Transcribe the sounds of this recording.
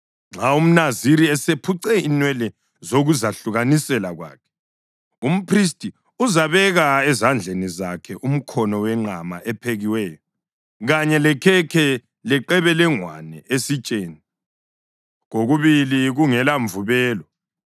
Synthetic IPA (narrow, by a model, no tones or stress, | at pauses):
ŋ͡ǁaum̩naziɾiɛsepʰuǀɛinwɛlɛ | zoɣuzaɬuɣanisɛlaɣwa̰ːkʰɛ̥ | um̩pʰris̬tʼi | uzaβɛɣaɛzand͡ɮʱenizakʰɛʔum̩kʰɔnɔwɛŋ͡ǃama̰ʔɛpʰeɣiwɛːjɔ | ɣaɲɛlɛkʰɛkʰɛ | lɛǃɛβɛlɛŋwa̰nɛ̰ʔesit͡ʃʼeːni | ɣoɣuβiliɣuŋɛlaɱvuβɛːlɔ